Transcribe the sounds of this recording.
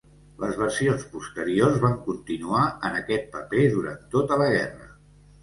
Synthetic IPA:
ləzβərsionspust̪əɾiorzβaŋkunt̪inuaənəkɛt̪̚pəpeðuɾa̰nt̪ːot̪ələɣɛ̰rə

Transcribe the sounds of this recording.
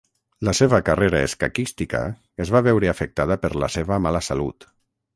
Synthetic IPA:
ləseβəkareɾaḛska̰kist̪ikə̰ | ezβaβɛwɾeafek̚t̪að̞əpəɾlə̰seβəmaləsalṵt̪

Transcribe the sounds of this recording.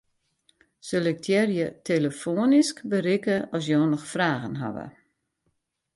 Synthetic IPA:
sølɪk̚dʰjɛrjətʰeləfoːniskbərɪkəʔɔs̬jɔːnɔxfraːɣənɦa̰ʋə̰

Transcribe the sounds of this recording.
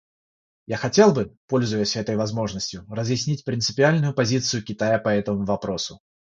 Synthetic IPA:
jaxat͡sʲelˠbɨpɔlʲzʊjəsʲɛt̪əjvazmɔʐnəsʲt͡sʲjʊrɐzjɪsʲnʲit͡sʲpɾʲɪnt̪sɨpʲialʲnʊjʊpazʲit̪sɨjukʲit̪ajɐpɐɛt̪əmuvapɾɔsʊ

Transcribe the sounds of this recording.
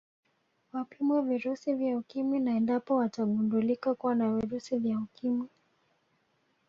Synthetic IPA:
wapimwɛviɾusivjaukimwinaɛndapɔwataɠundulikakuwanaviɾusivjaukimwi

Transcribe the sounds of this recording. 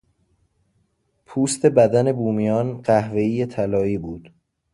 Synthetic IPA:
pʰuːst̪ʰe̞bæd̪æne̞buːmijɒːnɢæhve̞iːjet̪ʰælɒːiːbuːd̪̥

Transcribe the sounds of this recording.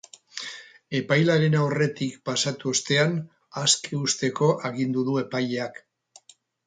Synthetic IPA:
e̞pajlaɾe̞nawre̞t̪ikpasat̪uo̞st̪e̞an | aske̞ust̪e̞ko̞ʔaɣind̪uðue̞paʎeak

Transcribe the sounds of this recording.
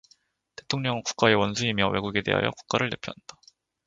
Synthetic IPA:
te̞tʰoŋɲʌŋkuk͈̚ae̞wʌnsʰuimjʌwe̞ɡuɡe̞de̞̰ɦa̰jʌku̥k̚k͈aɾɯɭːne̞pʰjo̰ɦand̥a

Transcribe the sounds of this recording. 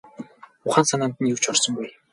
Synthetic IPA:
ʊχaːnsanaːnt̪ə̆njɵw̥t͡ɕɔrsɞ̆ŋɡuj

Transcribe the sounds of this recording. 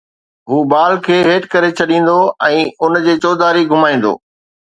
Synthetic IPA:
ɦuːbaːlkʰeːɦeːʈkɐɾet͡ɕʰɐɗĩːn̆d̪oɛ̃ːʊnd͡ʑeːt͡ɕɔːd̪aːɾiɡʱʊmaːĩːn̆d̪o̰ː

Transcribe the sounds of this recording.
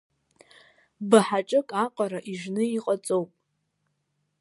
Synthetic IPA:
baħaʈ͡ʂʼɨkʼaqʼaɾaʔiʒnɨiqʼat͡sʼowpʼ

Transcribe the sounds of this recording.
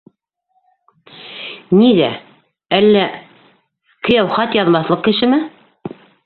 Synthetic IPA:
niðæ | ælːæ | kɘ̆jæwχɑt̪jɑðmɑθlˠɤqkɘ̆ʃɘ̆mɘ

